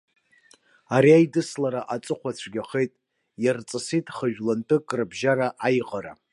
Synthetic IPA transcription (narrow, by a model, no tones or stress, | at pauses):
aɾiajdɨslaɾaʔat͡sʼɨχʷat͡ɕʷʰɡʲaχejtʼ | jart͡sʼɨsitʰʼχəʒᶣlantʰʼɨkʼrɨbʒaɾaʔajqʼaɾa̰